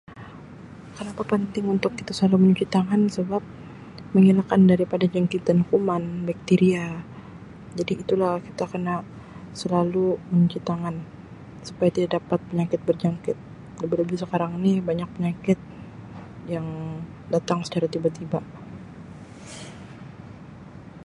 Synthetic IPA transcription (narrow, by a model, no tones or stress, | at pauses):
kənapapənt̪ɪŋunt̪ʊkːit̪asəlaluməɲut͡ʃit̪aŋansəbap̚ | məŋilakandaɾipadad͡ʒaŋkit̪anukumanbak̚t̪iɾia | d͡ʒadiːt̪ulahkit̪akəna | səlaluməɲut͡ʃit̪aŋan | su̥pajat̪idaʔdapat̪̚pəɲakɪt̪̚bərd͡ʒaŋkɪt̪̚ | ləbiləbɪsəkaɾaŋinibaɲak̚pəɲakɪt̪̚ | jaŋ | dat̪aŋsə̥t͡ʃaɾat̪ibat̪ibaʔ